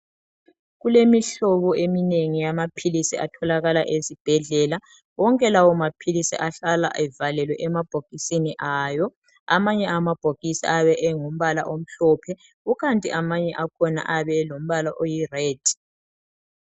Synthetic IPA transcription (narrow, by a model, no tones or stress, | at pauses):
ɣulemiɬɔβɔemineŋijamapʰilisia̰tʰɔlaɣala̰ʔezib̥ʱɛɮɛla | wɔŋkʼɛlawɔmapʰilisḭʔaɬala̰ʔɛvalɛlwɛʔɛmab̥ʱoɡ̥isiniʔaːjɔ | a̰maɲɛamab̥ʱoɡ̥isḭʔaβɛʔɛŋum̩βala̰ʔom̩ɬɔpʰɛ | uɣantʼiʔamaɲɛʔakʰɔna̰ʔaβɛlom̩βalaʔojirɛːd̥ʱ